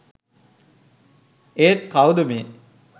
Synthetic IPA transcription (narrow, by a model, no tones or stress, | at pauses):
eːt̪kawd̪əme